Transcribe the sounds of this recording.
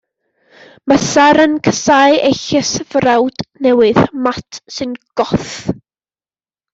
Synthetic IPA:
məsaɾənkʰəsaɨejɬɛsvrawd̥nɛwɨðmatʰsɨnɡ̥ɔθ

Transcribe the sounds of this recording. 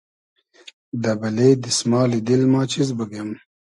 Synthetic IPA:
d̪ɐbɐleːd̪ismɑːlid̪ilmɑːt͡ʃizbəɡjam

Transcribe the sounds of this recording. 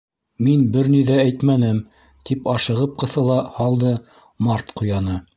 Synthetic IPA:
minbɘɾniðææjt̪mænɘm | t̪ipɑʃɤ̆ʁɤp̚qɤ̆θɤ̆lˠɑhɑlˠd̪ɤ | mɑɾt̪qujɑnɤ

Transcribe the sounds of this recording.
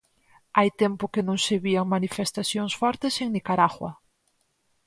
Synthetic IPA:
ajt̪empʊkenõŋseβiaŋmanifest̪aθjoŋsfɔɾt̪eseŋnikaɾaɣwɐ̰

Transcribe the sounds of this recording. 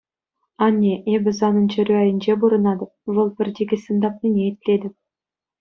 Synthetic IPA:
ɑnʲːeʔebʲɪ̆zɑnɤnt͡ɕɘ̆ɾʲyæjɘ̆nʲd͡ʑebuɾɤ̆nɑd̪ɤ̆p̚vɤlˠbʲɘ̆rʲd̪ʲeɡʲesɤ̆nd̪ɑpnʲinʲeit̪ʲlʲed̪ʲɘ̆p̚ʲ

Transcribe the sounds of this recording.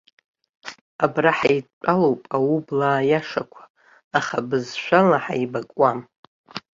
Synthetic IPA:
abraħajt͡ʃʷʼalowpʼawublaːjaʂakʷʰḁː | χabɨzʃʷᶣalaħa̰ibakʼwam

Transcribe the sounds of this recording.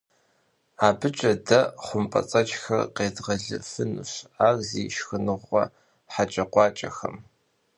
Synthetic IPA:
aːbɨt͡ʃʼɐdɐχʷʊmpʼɐ̰t͡sʼɐt͡ʃʼxɐrqeːdʁɐɮɨ̰fɨnɨ̰ɕaːrziːʃxɨnɨʁːɐ | ħat͡ʃʼɐqʷɑːt͡ʃʼɐ̰xɐ̰m

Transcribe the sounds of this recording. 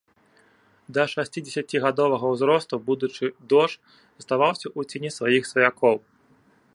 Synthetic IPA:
d̪ɐʂasʲt͡sʲid͡zʲesʲat͡sʲiɣad̪ɔvɐɣɐwzɾɔst̪ubud̪ut͡ʂɨd̪ɔʂ | st̪avawsʲɐʔut͡sʲenʲisvajixsvɐjakʰɔw

